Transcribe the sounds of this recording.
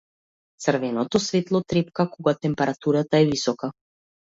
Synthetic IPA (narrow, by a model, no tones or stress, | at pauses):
t̪sərvɛnɔt̪ɔsvɛt̪lˠɔt̪ɾɛpkakɔɡat̪ɛmpɛɾat̪uɾat̪aɛvisɔka